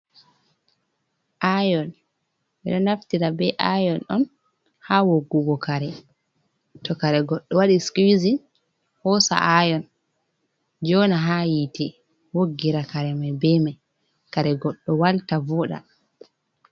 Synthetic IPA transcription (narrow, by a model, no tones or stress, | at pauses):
ʔajɔn | ʔɛɗɔnaftiɾabɛʔajɔnɔn | hawoɡːuɡɔkaɾɛ | tɔkaɾɛɡɔɗːɔwaɗiskwizin | hɔsa̰ʔajɔn | d͡ʒɔnaɦajitɛ | woɡːiɾakaɾɛmabɛmaj | kaɾɛɡɔɗːɔwaltavɔɗa̰